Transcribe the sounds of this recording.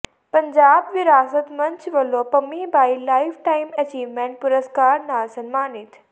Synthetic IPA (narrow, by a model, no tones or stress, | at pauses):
pɐ̃ɲd͡ʑaːbʋɪɾaːsət̪mɐ̃ɲt͡ʃʋɐloːpɐmiːbaːilaːɪfʈaːimɐt͡ɕiːʋmẽːɳʈ̚pʊɾəskaːɾnaːsɐnmaːnit̪ʰ